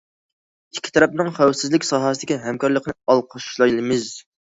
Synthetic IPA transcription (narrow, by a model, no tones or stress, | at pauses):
ikʲʰːi̥t̪ʰɑɾɛp̚nɨŋχæwsɪzlɪkʲsɑɦɑsɨd̪ɪkʲiɦɛmkɑɾlˠəqʰənɨɑlˠqʰɑʃʃlˠɑjlˠɨmɪz